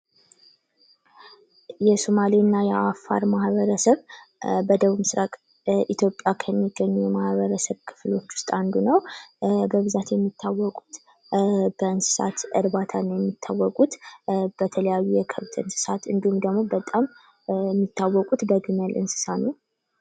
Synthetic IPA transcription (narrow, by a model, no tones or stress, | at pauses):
jɛsomalinːajɛʔafːa̰ɾmahβəɾəsəβbəd̪əβuβmɨsɾakʼ | ʔit̪ʰjo̞pʼːjakʰəmːiɡːəɲːujɛmahβəɾəsəβkʰɨ̥flo̞t͡ʃːwʊ̥st̪ʼand̪unəwbəβɨzat̪jɛmːit̪ʰːawːɔkʼu̥t̪ | b̥əɨnsɨ̥sa̰t̪ɨɾβat̪ʰanjɛmːit̪ʰːawːɔkʼut̪b̥ət̪ʰələjajːujɛkʰəβt̪ʰɨ̰nsɨ̥sat̪ɨnd̪ihumd̪əɡmo̞bət̪ʼam | ɛmːit̪ʰːawːɔkʼut̪bəɡɨməlʔɨ̰nsɨ̥sanəw